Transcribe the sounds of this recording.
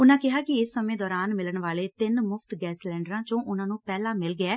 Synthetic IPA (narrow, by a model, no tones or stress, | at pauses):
ʊnãːkɪɦaːkɪɪsːəmẽːd̪ɔːɾaːnmɪləɳʋaːleːt̪ɪnmʊfʰt̪ɡɛːslɛ̃ːɳɖəɾãːt͡ʃõːʔʊnãːnũːpɛːlãːmɪlɡɪɛː